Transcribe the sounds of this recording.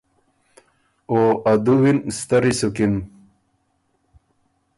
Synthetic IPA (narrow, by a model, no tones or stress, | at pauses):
oad̪uwinst̪ɐɾisukin